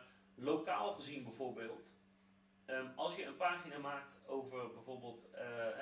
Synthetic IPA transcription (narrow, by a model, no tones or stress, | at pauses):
lowkaːlˠχəzinbɛjvoːɹbɪːlˠt | əmɑlˠsjəənpaːχinamaːk̚towvərbɛjvoːɹbeːlˠt